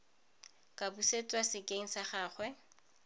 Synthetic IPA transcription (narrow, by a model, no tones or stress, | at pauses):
kʼabuset͡sʼwasɪkʼeŋ̩saχaːχwɛ